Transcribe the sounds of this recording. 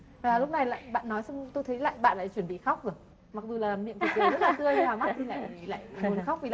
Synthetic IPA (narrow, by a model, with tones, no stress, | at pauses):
aː˨˩lʊ˦˥k͡p̚na˨˩jla̰ː˧˨jɓa̰ː˧˨nːɔ˨˦jsa˧ŋ͡mt̪o˧jt̪ʰə˨˦jla̰ː˧˨jɓa̰ː˧˨nla̰ː˧˨jt͡ɕwi˧˩ənɓḭ˧˨xa˦˥k͡p̚zə | ma˨˩k̚zu˨˩laː˨˩mḭ˧˨ənk̪ːzə˦˥tlaː˨˩t̪ɨ˧əjnaː˨˩ma˦˥i˨˧˩la̰ː˧˨jla̰ː˧˨jə˨xa˦˥k͡p̚vi˨˩˨